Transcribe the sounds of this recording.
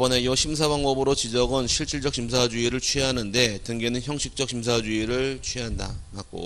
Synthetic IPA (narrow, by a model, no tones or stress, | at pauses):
bʌne̞jʌɕʰims̬ʰabaŋbʌbɯɾot͡ɕid͡ʑʌɡɯnɕʰiɭt͡ɕ͈ʰiɭd͡ʑʌk̚ɕʰims̬ʰad͡ʑuiɾɯɭt͡ɕʰɥiɦanɯnde̞tɯŋɡe̞nɯnçjʌŋɕʰik̚t͡ɕ͈ʌk̚ɕʰims̬ʰad͡ʑuiɾɯɭt͡ɕʰɥiɦanda̰kak͈o̰